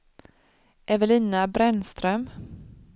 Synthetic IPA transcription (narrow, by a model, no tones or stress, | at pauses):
ʔɛvɛlɪːnabɾɛnst̪ɾœm